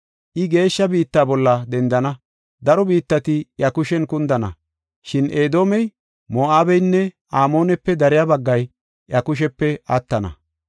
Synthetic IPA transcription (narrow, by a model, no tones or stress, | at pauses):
ʔɪɡe̞ːʃːɐbiːt̪ːaːbɔlːɐd̪ɛnd̪ɐnɐ | d̪ɐɾɔbiːt̪ːɐt̪ɪjɐkʊʃɛnkʊnd̪ɐnɐ̰ | ʃɪnʔe̞ːd̪o̞ːmɛj | moːʔaːbɛjnːɛʔaːmo̞ːnɛpːɛd̪ɐɾɪjabɐɡːɐj | ʔɐkʊʃ̬ɛpːɛɐt̪ːɐnɐ̰